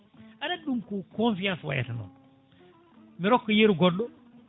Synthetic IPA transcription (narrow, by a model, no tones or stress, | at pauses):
anaɗumkukõnfijãnswa̰ja̰tanɔ̰ | miɾɔkːɔjeɾɡɔɗːɔ